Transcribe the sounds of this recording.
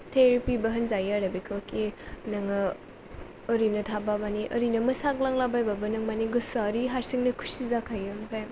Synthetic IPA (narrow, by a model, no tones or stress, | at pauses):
tʰeɾipibɐɦɐnzajaɾabikʰakʰinɐŋɯː | ɾinɐtʰababaniʔəɾinɐmɯsak̚laŋlabajbabɐnɐŋmaniɡɯsaɾiɦaɾsiŋnɐkʰu̥sizakʰajɯmpʰajm